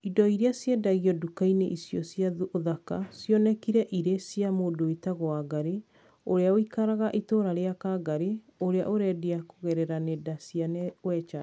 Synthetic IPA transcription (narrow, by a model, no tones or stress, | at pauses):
idɔiɾeasjedaɣiɔdukaineʔisjɔsjaðoðaka̰sjɔnɛkiɾɛʔiɾesjamoːdoetaɣoaɡaɾe | oɾeaoikaɾaɣaʔitoːɾaɾeakaːɡaɾe | oɾea̰ʔoɾɛdeakoɣɛɾɛɾanedasianɛwɛt͡ʃa